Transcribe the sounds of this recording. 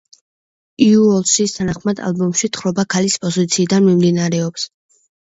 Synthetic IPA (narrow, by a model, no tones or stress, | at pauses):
iuɔlˠsist̪ʰanaχmad̪a̰lˠbɔmʃit̪χɾɔbakʰalispʼɔzit̪sʰiːd̪anmimd̪inaɾɛɔps